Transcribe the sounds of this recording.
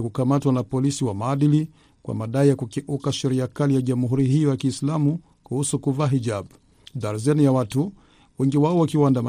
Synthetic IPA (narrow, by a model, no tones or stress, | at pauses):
kukamatwanapɔlisiwamaːɗili | kwʔa̰maɗaijakukɛʔukaʃɛɾiakalijaʄamuɦuɾiɦijɔjakiːslamu | kuhusukuvaːɦiʄabu | ðaɾazɛnijawatu | wɛŋɡiwaɔwakiwandam